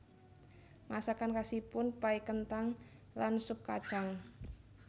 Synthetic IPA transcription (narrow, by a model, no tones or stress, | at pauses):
masakankasipʊnpaikənt̪aŋ | lansʊp̚kad̥ʒ̥aŋ